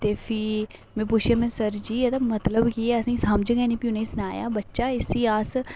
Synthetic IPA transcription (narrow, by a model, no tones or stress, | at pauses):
t̪eːpʰɪ | mɛ̃ːpʊt͡ʃʰijaːmɛ̃ːsəɾd͡ʒiːet̪aːmət̪ləbkieːəsaĩːsaːmd͡ʒəɡɛːnĩːpiuneiːsnaːja̰ːbətːʃaːɪsiːaːs